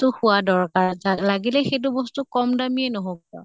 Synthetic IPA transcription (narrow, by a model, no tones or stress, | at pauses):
tʊxuadɔɹkaɹalaɡilɛxet̬ʊbɔstukɔmdamiɛnɔɦoɡɔ̰